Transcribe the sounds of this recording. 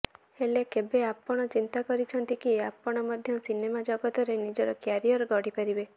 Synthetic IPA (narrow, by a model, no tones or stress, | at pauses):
elekebeapːɔɽ̃ɔt͡ʃint̪akɔɾit͡ʃʰɔnt̪ikiapːɔɽ̃ɔmɔd̪ʱjɔsinemad͡ʒɔɡɔt̪ɔɾenid͡ʒɔɾɔkjaɾiɔɾɡɔɽipaɾibe